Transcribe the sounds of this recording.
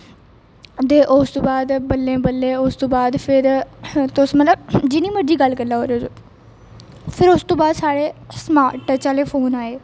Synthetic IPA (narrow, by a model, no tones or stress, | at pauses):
d̪eʔoːst̪ubaːd̪bɐlːẽːbɐlːẽoːst̪ubaːd̪fɪɾt̪oːsmɐt̪ləbd͡ʒiniːmɐʈd͡ʒiːɡaːlkɐlaːɦoːɾoːzo | fʰɪɾoːst̪ubaːd̪saːɽesmaːʈːət͡ɕaːlefoːnaːɦeː